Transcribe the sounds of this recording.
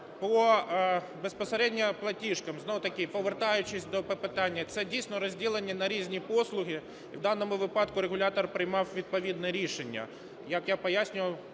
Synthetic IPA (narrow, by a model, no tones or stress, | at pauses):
pɔ | bespɔsɐɾʲɛdʲnʲɐplˠɐtʲiʃkɐmznoʊt̪ɐkʲɪpɔʋert̪ɑjʊt͡ʃɪsʲd̪ɔpɔpɪt̪ɑnʲːɐt̪sɛdʲijsʲnɔɾɔzʲdʲilˠenʲːɐnɐɾʲizʲnʲipɔslˠʊɦʲɪ | iwd̪ɑnːɔmʊʋɪpɑd̪kʊɾeɣʊlʲat̪ɔrpɾɪjmɑwʋʲid̪̚pɔʋʲid̪nɛɾʲiʃenʲːɐ̰ | jɐkjapɔjasʲnʲʊʋɐw